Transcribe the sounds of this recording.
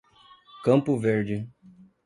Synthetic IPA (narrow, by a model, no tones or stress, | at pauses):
kɐ̃mpʊveɾd͡ʒɪ